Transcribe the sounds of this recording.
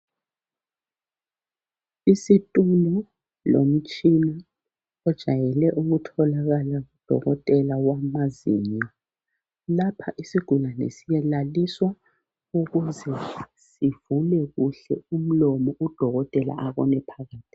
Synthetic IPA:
isitʼunɔ | lo̰m̩t͡ʃʼina | ɔd̥ʒ̥ʱajɛlɛʔuɣutʰɔlaɣalaɣud̥ʱɔ̰ɣɔtʼɛlawamazḭɲa | lapʰaʔisiɡ̥ʱulanɛ̰sijɛlaliswa | uɣuzɛ | sivulɛɣuɬɛ̰um̩lɔmɔʔud̥ʱɔɣɔtʼɛla̰ʔaβɔ̰nɛpʰaɣaːtʰʼi̥

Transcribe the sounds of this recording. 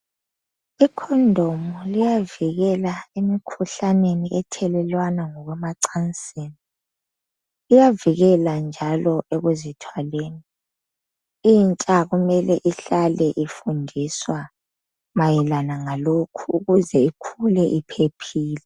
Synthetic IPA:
ikʰɔndʱomɔlijaviɣɛlaemikʰuɬaneniʔɛtʰɛlɛlwanaŋɔɣwɛmaǀant͡sʼeːni | ijaviɣɛland͡ʒʱalɔʔeɣuzitʰwaleːni | int͡ʃʼaɣumɛlɛʔiɬalɛʔifundʱiswa | majilanaŋalokʰuːɣuzɛikʰulɛʔipʰepʰiːlɛ

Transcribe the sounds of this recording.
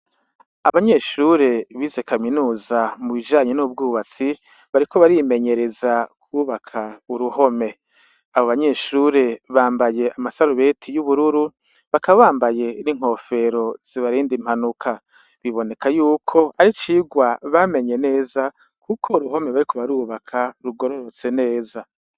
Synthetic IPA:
aβaɲe̞ːʃuɾe̞βiːze̞kaminuːzamuβid͡ʒaːɲenuːb̚ɡuːβat͡si | βaɾiko̞βaɾime̞ɲe̞ɾe̞zakʰuːβakʰauɾuho̞me̞ | aβoβaɲe̞ːʃuɾe̞βaːmbaje̞amasaɾuβe̞tʰijuβuɾuɾu | βakaβaβaːmbaje̞niŋ̥ho̞fe̞ɾo̞z̥iβaɾiːndim̥hanukʰa | βiβo̞ne̞kʰajuːkʰo̞aɾit͡ʃiɡwaβame̞ɲe̞ne̞ːza | kʰukʰo̞uɾuɦo̞me̞βaɾikʰo̞βaɾuːβakʰaɾuɡo̞ɾo̞ɾot͡se̞ne̞ːza

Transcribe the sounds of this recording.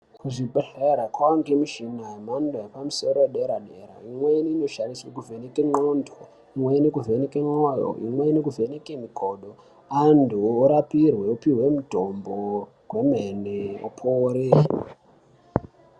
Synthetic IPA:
kuʐibʱeɬeɾakwaoŋɡemiʃinajemandojepamuso̞ɾoeɗeɾaɗeɾa̰imweiniino̞ʃariswekuvʱe̞nekeŋ͡ǃondʱo | imweinekuve̞nekeŋ͡ǁawajo̰ḭmweinekuve̞nekemikoɗo | andʱuːɾapirwe̞upiwe̞mudʱombo | ɦwe̞meneo̰pʰoɾi

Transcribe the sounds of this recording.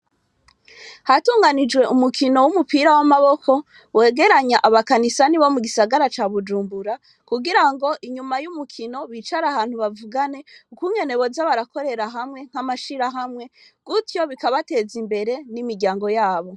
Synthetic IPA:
hatuːŋɡanid͡ʒɡwe̞ʔumukʰino̞wumupiɾawamaβo̞kʰo̞ | we̞ːɡe̞ɾaɲaʔaβakanisaniβo̞muɡisaɡaɾat͡ʃaːβud͡ʒuːmbuɾa | kuɡiɾaŋɡo̞ʔiɲumajumukʰino̞βiːt͡ʃaɾahaːn̥huβavuɡane̞ukuɲe̞ne̞βo̞zaβaɾako̞ɾe̞ɾaɦamŋe̞ŋ̥hamaʃiɾaɦamŋe̞ | ɡ̥utjo̞βikaβate̞zimbe̞ɾe̞nimiɾɟaːŋɡo̞jaːβo̞

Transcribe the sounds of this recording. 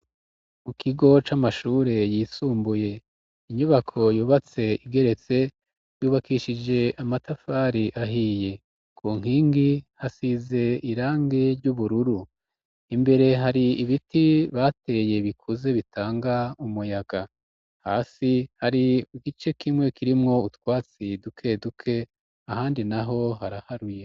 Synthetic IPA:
mukʰiɡo̞t͡ʃamaʃuːɾe̞jiːsuːmbuje̞ | iɲuβakʰo̞juːβat͡se̞iɡe̞ɾe̞t͡se̞ | juːβakiʃid͡ʒe̞ʔamatafaːɾiʔaɦije̞ | kʰuːŋ̥hiːŋɡihasize̞iɾaːŋɡeɾɟuβuɾuɾu | imbe̞ɾe̞ɦaɾiːβitiβaːte̞je̞βikʰuze̞βitʰaːŋɡaumujaɡ̥a | ha̰ːsihaɾiuɡit͡ʃe̞kimwe̞kiɾimŋo̞utwaːt͡sidukʰe̞dukʰe̞ | ahaːndinaɦo̞ɦaɾahaɾuje̞

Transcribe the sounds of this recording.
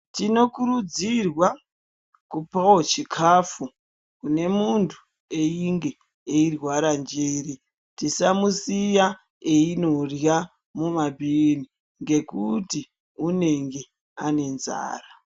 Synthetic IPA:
tino̞kuɾud͡zirwa | kupaot͡ʃikʰafu | kune̞muntʰu̥ | e̞iŋɡe̞ | eirwaɾand͡ʒeːɾi | tisamusija | einorja | mumabʱini | ŋɡe̞kuti | une̞ŋɡe | ane̞nza̰ːra

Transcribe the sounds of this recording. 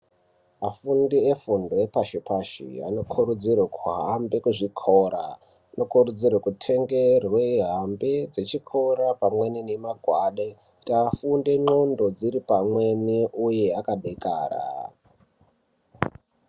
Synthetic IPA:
afundiefundo̞epaʃepaʃḭa̰no̞kʰurud͡zirwekʰuɦambe̞kuʐikʰoɾa̰ | ano̞kurud͡zirwekutʰe̞ŋɡe̞rweɦambed͡zet͡ʃikʰo̞ɾapamwe̞ninemaɡʱwaɗe | tafunde̞ŋ͡ǃondo̞d͡ziɾipamweniʔuje̞akaɗeka̰ːra̰

